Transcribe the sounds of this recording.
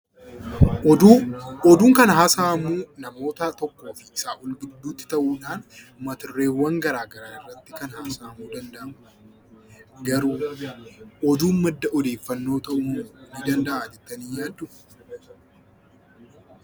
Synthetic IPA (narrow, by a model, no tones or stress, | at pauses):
ʔɔd̪uːŋkɐnɐɦaːsaːmuːnɐmo̞ːt̪ɐt̪ɔkːo̞ːfɪɪsaːʔʊlbɪd̪ːuːt̪ːɪ̥t̪ɐʔuːᶑaːn | mɐt̪ɪrːe̞ːwːɐŋɡɐɾaːɡɐɾaːnɪrːɐt̪ːɪkɐnhaːsaːmuːd̪ɐnd̪ɐʔɐ | ɡɐɾuː | ʔɔd̪uːnmɐd̪ːɐʔɔd̪e̞ːfːɐnːo̞ːt̪ɐʔuːnid̪ɐnd̪ɐʔaːd͡ʒɛt̪ːɐniːjaːd̪ːʊ